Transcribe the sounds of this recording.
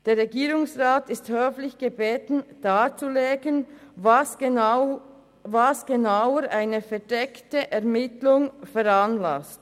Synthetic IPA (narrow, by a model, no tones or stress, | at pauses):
d̥eːɾʁeɡiːɾʊŋsʁaːtɪsthøːflɪçɡ̥əbeːtn̩d̥aːt͡suleːɡən | vasɡ̥enawəɾʔaɪnəfɛɐdɛktəʔɛʁmɪtlʊŋfɛɾanlast